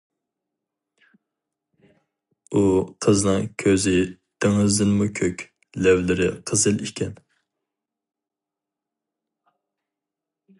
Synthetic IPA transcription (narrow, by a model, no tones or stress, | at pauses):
uqʰəznɨŋkʲʰøzɪ | d̪̥eŋɨzd̪ɪnmukʲʰøkʲ | lɛvlɪɾɪ̰qʰəzɨlikʲʰɛn